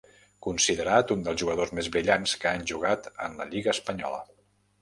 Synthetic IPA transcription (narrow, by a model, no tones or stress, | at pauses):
kunsiðəɾat̪und̪əlˠzʒuɣ̞əð̞ozmezβɾiʎanskəanʒuɣ̞at̪ə̰nləʎiɣəːspəɲɔ̰lə̰